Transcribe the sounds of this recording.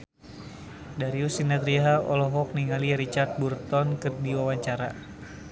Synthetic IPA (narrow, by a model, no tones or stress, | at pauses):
daɾiusinat̪ɾiɦaɔlɔɦɔk̚niŋaliɾit͡ʃart̪̚burt̪ɔnkɨrdiwawaɲt͡ʃaɾa